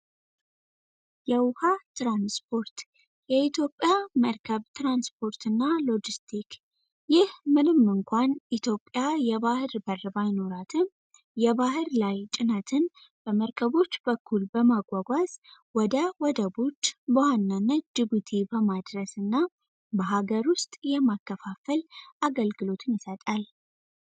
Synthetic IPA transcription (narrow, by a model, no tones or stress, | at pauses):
jɛwʊhat̪ɾanspʰo̞ɾt̪ | jɛit̪ʰjo̞pʼːjaməɾkʰəβt̪ɾanspʰo̞ɾt̪ɨnːalo̞d͡ʒist̪ʰik | jɪhmɨnɨmːɨŋkʷanʔit̪ʰjo̞pʼːjajɛβahɨɾbərːbajno̞ɾat̪ʰɨm | jɛβahɨɾlajt͡ʃʼɪnət̪ʰɨn | b̥əməɾkʰəβo̞t͡ʃːbəkʰːulbəmaɡʷaɡʷaz | wɔd̪əwɔd̪əbo̞t͡ʃːbəwanːanːət̪̚d͡ʒibut̪ʰibəmad̪ɾəsɨnːa | bəɦaɡəɾʊst̪ʼjɛmakːəfafəlʔaɡəlɡɨlo̞t̪ʰɨnjɪsət̪ʼal